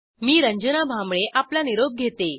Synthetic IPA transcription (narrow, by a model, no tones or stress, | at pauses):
miːɾəɲd͡ʑənabʱãmbɭeʔaplaniɾob̚ɡʱet̪e